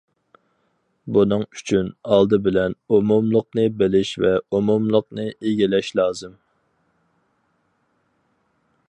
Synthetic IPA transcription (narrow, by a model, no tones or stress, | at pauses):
bunɨŋyt͡ʃʰynɑlˠd̪ɨbɪlɛnumumlˠʊqnɨbɪlɪʃvɛumumlˠʊqnɨʔeɡʲilɛʃlˠɑːzɨm